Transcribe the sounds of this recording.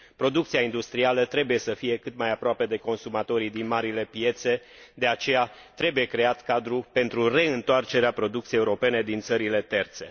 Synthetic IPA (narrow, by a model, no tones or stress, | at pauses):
pɾo̞d̪ukt̪siaind̪ust̪ɾialət̪ɾe̞buje̞səfije̞kɨt̪majapɾoape̞d̪e̞ko̞nsumat̪o̞ɾid̪inmaɾile̞pije̞t̪se̞ | d̪e̞at͡ʃe̞ja | t̪ɾe̞buje̞kɾe̞at̪kad̪ɾupe̞nt̪ɾure̞ɨnt̪oart͡ʃe̞ɾeapɾo̞d̪ukt̪iejeuɾo̞pe̞ne̞d̪int̪səɾile̞t̪e̞rt̪se̞